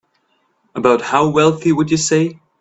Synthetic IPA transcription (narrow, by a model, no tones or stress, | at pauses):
əbaʊt̚haʊwɛlˠθiwəd͡ʒɨseɪ